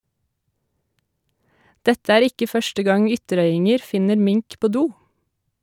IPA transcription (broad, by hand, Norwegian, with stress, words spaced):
ˈdɛtə ˈæːɾ ˈɪkə ˈfœʃtə ˈɡɑŋ ˈʏtəˌɾœʏɪŋəɾ ˈfɪnəɾ ˈmɪŋk ˈpoː ˈduː